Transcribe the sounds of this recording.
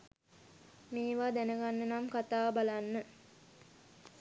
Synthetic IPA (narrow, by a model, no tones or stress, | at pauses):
miːʋaːd̪ænəɡanːənamkat̪aːbalanːə